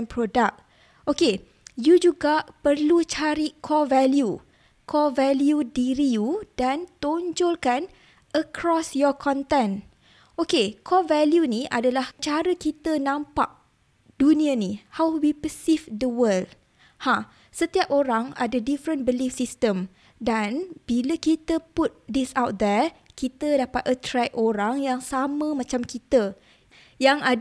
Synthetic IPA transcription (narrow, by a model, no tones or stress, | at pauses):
npɾodak̚ | ʔoke | jud͡ʒuɡaʔpərlut͡ʃaɾikʰɔvɛlju | kʰɔvɛljudiɾijudant̪oɲd͡ʒɔlkan | ʔəkɾɔsjɔkʰɔ̃nt̪ɛ̃n | ʔokekʰɔvɛljunĩa̰dalaht͡ʃaɾəkit̪ənãmpa̰ʔ̚ | dunĩanihawwipəsivdəwəld | hã | sət̪iap̚oɾaŋa̰dədifɾə̃nbəlifsist̪əm | danb̥iləkit̪əput̪̚disawt̪̚d̪ɛɹkit̪ədapat̪̚ʔət̪ɾɛk̚oɾaŋjaŋsamə̃mãt͡ʃamkit̪ə | jaŋa